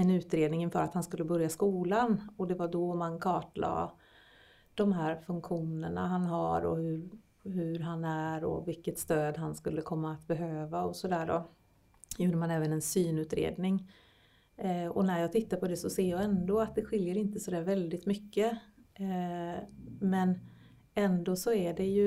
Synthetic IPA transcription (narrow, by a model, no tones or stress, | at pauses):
ɛnʉ̟ːt̪ɾeːd̪nɪŋɪnfœːɾat̪hanskɵlːəbœɾjaskuːlanɔd̪ɛvaɖɔmankʰɑːʈlɑ̰ː | d̪̥ɔmɦæːɾfɵŋkɧuːnəɳa̰ɦanɦa̰ɾɔ̰hɵɾ | ɦɵɾɦanæɾɔ̰vɪlkːət̪st̪øːd̪ɦanskɵlːəkʰɔmːaːt̪bɛɦøːvaɔsɔd̪æːɖɔ | juːɖəmanɛːvənɛnsyːnʉ̟ːt̪ɾḛːd̪nɪŋ | ɔnæɾjɑːɡt̪ʰɪt̪ːaɾpʰɔd̪ɛsɔseːjɑɛnd̪oːat̪̚d̪ɛɧɪljəɾɪnt̪əsɔd̪æːɾvɛld̪ɪt̪mʏkːə | mɛn | ɛnd̪oːsɔæɖɛjɵ